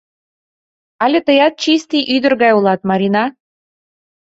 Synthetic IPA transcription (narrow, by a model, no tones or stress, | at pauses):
ɑlʲĕt̪əjɑt̪̚t͡ɕist̪ijʔyd̪ə̆rɣɑjulˠɑt̪̚mɑɾʲinɑ